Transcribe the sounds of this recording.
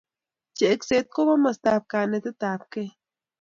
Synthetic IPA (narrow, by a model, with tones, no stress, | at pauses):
t͡ʃe˨ʔe˦kse˧t̪̚ko˦βa˦ma˧st̪a˧p̚ka˧ne˧t̪e˦t̪a˨p̚ke˦